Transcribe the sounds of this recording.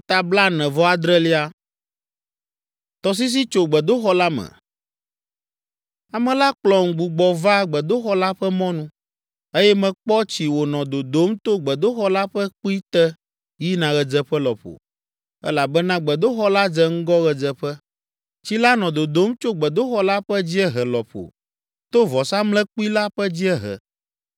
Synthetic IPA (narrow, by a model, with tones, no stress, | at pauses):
t̪a˨bla˦nɛ̃˨vɔ˦a˨d̪ɾɛ˦li˦a˦ | t̪ɔ˨s̬i˦s̬i˦t͡ʃo˨ɡ͡bɛ˨d̪o˦xɔ˦la˦mɛ̰̃˨ | a˨mɛ̃˨la˦k͡plɔ˨ŋ̩˨ɡ͡bu˨ɡ͡bɔ˨va˦ɡ͡bɛ˨d̪o˦xɔ˦la˦ɸɛ˦mɔ̃˦nũ˦ | e˦jɛ˦mɛ̃˨k͡pɔ˦t͡ɕi˨wo˨nɔ̃˨d̪o˨d̪o˨˦mt̪o˦ɡ͡bɛ˨d̪o˦xɔ˦la˦ɸɛ˦k͡pu˦i˦t̪ɛ˦ | ji˦nã˨ɣɛ˨d͡zɛ˦ɸɛ˦lɔ˨ɸo̰˨ | ɛ̰˦la˨bɛ˦nã˦ɡ͡bɛ˨d̪o˦xɔ˦la˦d͡zɛ˨˦ŋ̩˦ɡɔ˦ɣɛ˨d͡zɛ˨ɸɛ˦ | t͡ɕi˦la˦nɔ̃˨d̪o˨d̪o˦mt͡ʃo˦ɡ͡bɛ˨d̪o˦xɔ˦la˦ɸɛ˦d͡ʑi˦ɛ˦ɦɛ˨lɔ˨ɸo̰˨ | t̪o˦vɔ˨sa˦mlɛ̃˦k͡pu˦i˦la˦ɸɛ˦d͡ʑi˦ɛ˦ɦɛ̰˨